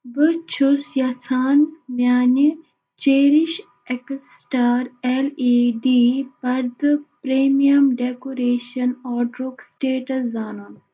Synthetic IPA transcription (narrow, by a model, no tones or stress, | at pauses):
bət͡ʃʰusjɐsʰaːnmjaːni | t͡ʃeːɾiʃ | eks | ʈaːɾeliːɖiːbɐɾd̪pɾeːmijɐmɖeːkoːɾeːʃɐnɔːɖɾuksʈeːʈɐszaːnoːn